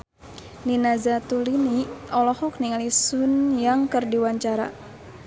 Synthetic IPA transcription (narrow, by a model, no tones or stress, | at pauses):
ninazat̪uliniɔlɔhɔk̚niŋalisunjaŋkɨrdiwaɲt͡ʃaɾa̰